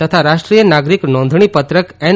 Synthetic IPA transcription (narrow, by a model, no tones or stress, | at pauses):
ət̪ʰaɾaʃʈɾijənaɡɾiknɔ̃nd̪ʱɳ̃ipət̪ɾəkɛn